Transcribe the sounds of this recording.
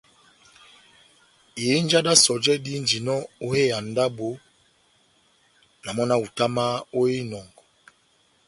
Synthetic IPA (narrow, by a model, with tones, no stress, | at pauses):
e˨˦n˦d͡ʒa˦da˦sɔ˨d͡ʒɛ˦di˦n˦d͡ʒi˨nɔ˦o˦e˦a˨n˨da˦bo˨˦ | na˨mɔ˦na˦u˨ta˦ma˦o˦e˦nɔ˨ŋɡ